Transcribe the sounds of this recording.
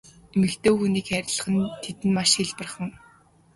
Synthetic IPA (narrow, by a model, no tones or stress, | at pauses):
emɘ̆kt̪oːxuniːkxæɾʲɪ̆ɮə̆χə̆nt̪ʰet̪ɘ̆nmaʃxiɮpə̆rχə̆ŋ